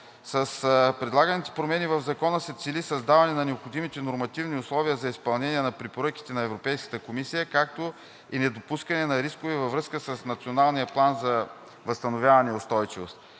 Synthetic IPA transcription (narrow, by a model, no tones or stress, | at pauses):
səspɾɛd̪lˠaɡənit̪ɛ̥pɾomɛnivəvzɐkɔnəsɛt̪silisɐzd̪avɐnɛnɐnɛopxod̪imit̪ɛnoɾmɐt̪ivniʊslˠɔviəzɐispɐlˠnɛnʲiɛnɐpɾɛpoɾɤk̟i̥t̪ɛnɐɛvɾopɛjskə̥t̪əkomisijəkak̚t̪o | inɛd̪opuskɐnɛnɐɾiskovɛvɐvɾɤskəsəsnɐt̪sionalˠnijəplˠanzɐ | vəst̪ɐnovʲjavɐnɛʊst̪ɔjt͡ʃivo̰st̪